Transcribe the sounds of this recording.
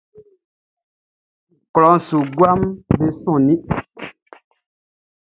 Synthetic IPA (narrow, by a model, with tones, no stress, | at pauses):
klɔ˨˦n˨su˨ɡwa˦mbe˦sɔ̃˦˨nĩ˦ʔ